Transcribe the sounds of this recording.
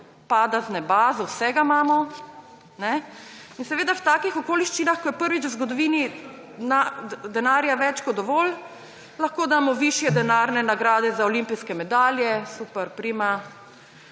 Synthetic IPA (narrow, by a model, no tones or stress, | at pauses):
paːd̪aznɛbaːzɔwsɛɡamaːmɔ | nɛinsɛʋeːd̪awt̪aːkixɔkoːliʃt͡ʃinaxkɔjɛpəɾʋit͡ʃwzɡɔd̪ɔʋiːni | nad̪ɛnaːɾjaʋɛt͡ʃkɔt̪d̪ɔʋoːl | laxkoːd̪amɔʋiʃjɛd̪ɛnaːɾnɛnaɡɾaːd̪ɛzaɔlimpijskɛmɛd̪aːljɛsupɛɾpɾima